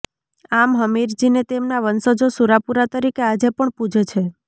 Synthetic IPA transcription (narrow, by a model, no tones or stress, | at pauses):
amɦəmiɾd͡ʒinet̪emnaʋənsod͡ʒosuɾapuɾat̪əɾikead͡ʒepəɳpud͡ʒʱt͡ʃʰe